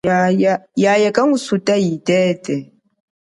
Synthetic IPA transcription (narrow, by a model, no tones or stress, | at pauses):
ajajajakʼaŋusutʼajitɛtʼɛ